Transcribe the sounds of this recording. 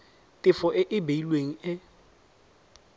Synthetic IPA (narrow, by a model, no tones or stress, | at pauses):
tʼɪfɔʔɪʔɪbeilweŋ̩ɪ